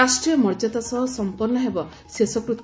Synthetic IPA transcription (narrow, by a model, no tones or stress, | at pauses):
asʈɾijɔmɔɾd͡ʒɔt̪asɔɦɔsɔmpuɾnɔɦebɔ | sesɔkɾut̪